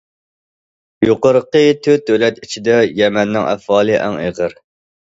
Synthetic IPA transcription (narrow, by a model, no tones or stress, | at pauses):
joqəɾəqət̪ʰyt̪̚ːølɛt̪it͡ʃʰid̪ɛjɛmɛnːɪŋʔæ̰fɑːlˠɨʔæ̰ŋeʁəɾ